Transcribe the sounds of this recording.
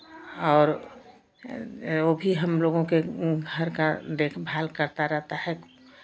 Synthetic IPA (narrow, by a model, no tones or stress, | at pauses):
ɔːɾ | obʱiɦəmloːɡõkeɡɡʱəɾkad̪eːkʰbʱaːlkəɾt̪aɾəɦt̪aɦɛ